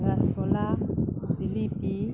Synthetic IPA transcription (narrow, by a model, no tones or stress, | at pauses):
ɾasɔlazilipi